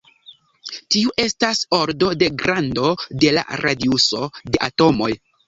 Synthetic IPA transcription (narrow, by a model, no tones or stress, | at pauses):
tiuʔe̞staso̞ɾdo̞de̞ɡɾando̞de̞la̰ɾadiuso̞de̞ʔato̞mo̞̰j